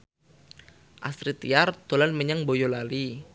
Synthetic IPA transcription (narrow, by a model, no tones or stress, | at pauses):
ʔast̪ɾit̪ijard̪̥o̤lanməɲaŋbojolali